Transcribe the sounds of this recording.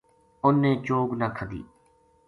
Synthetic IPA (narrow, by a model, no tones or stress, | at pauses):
ʊnːẽːt͡ʃoːɡnaːkʰəd̪ḭː